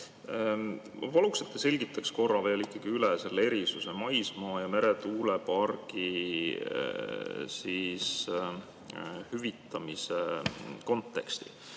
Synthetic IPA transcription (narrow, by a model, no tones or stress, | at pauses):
vɑlukset̪ːese̞lʲɡ̥it̪ːˑɑksko̞rːɑve̞ːlikːɑɡ̥iylɛse̞lːeeɾisuse̞mɑjsmɑːjɑme̞ɾet̪uːlepɑrɡ̥i | siːs | hyvit̪ːˑɑmiseko̞nt̪ːˑe̞̰kst̪ḭ